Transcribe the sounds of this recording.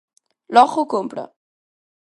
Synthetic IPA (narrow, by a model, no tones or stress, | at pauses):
lɔχokompɽa̰